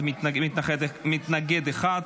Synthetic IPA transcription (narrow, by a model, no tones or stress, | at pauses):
mtnmɪt̪naχɛdmɪt̪naɡɛd̪ɛχad̪